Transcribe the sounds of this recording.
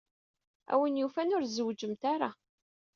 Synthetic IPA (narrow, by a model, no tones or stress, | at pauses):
æ̰wənjufænʊɾzəwd͡ʒəmt̪aɾˤa̰